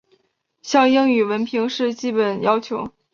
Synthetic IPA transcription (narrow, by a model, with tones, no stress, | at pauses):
ɕjɑ˥˧ŋji˥ŋy˨˩wə˧˥npʰi˧˥ŋʂɻ̩˥˧t͡ɕi˥˩pə˨˩njɑ˥ʊt͡ɕʰjo˧˥ʊ